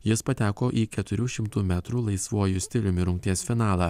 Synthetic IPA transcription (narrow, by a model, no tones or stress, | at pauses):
jɪspɐt̪ʲæːkoːʔiːkʲɛt̪ʊɾʲuːʃʲɪmt̪uːmʲæːt̪ɾuːlˠɐɪsʋuɔjʊsʲt̪ʲɪlʲʊmʲɪɾʊŋʲk̚ʲt̪ʲiɛsfʲɪnɑːlˠɑː